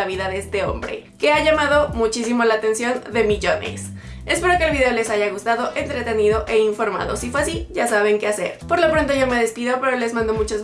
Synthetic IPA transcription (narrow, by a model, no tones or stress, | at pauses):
aβiðaðeest̪e̞o̞̰mbɾe̞̰ke̞aʝamaðo̞mut͡ʃis̬imo̞laːt̪e̞nsjo̞nd̪e̞miʝo̞nḛs | espe̞ɾo̞kelβiðe̞o̞le̞saʝaɣ̞ust̪að̞o̞ʔent̪ɾe̞t̪e̞niðo̞ʔe̞iɱfo̞ɾma̰ðo̞̰sifweas̬iʝasaβ̞e̞ŋkease̞̰ɾpo̞ɾlo̞pɾo̞nt̪o̞ʝo̞me̞ðe̞spiðo̞pe̞ɾo̞le̞zmãnd̪o̞mut͡ʃoz